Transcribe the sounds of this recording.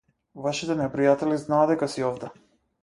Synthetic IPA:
vaʃit̪ɛnɛpɾijat̪ɛliznaːd̪ɛkasiɔvd̪ɛ

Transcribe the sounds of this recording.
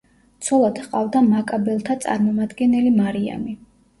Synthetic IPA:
t̪sʰɔlˠad̪̥qʼavd̪amakʼabɛlˠt̪ʰat̪sʼa̰ɾmɔmad̪ɡɛnɛlimaɾia̰mi

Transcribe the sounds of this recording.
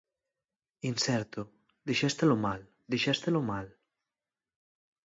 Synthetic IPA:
insɛɾt̪o | d̪iʃɛst̪elomal | d̪iʃɛst̪elomal

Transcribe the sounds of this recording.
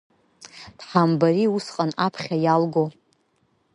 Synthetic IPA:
d̥ħambaɾiusqʼanapʰχʲajalɡo

